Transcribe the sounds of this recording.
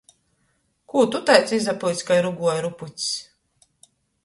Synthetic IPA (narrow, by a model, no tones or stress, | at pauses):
kuːt̪ut̪ajt̪sizaplˠit̪sʲkajɾuɡuɔjɾuput̪ʲs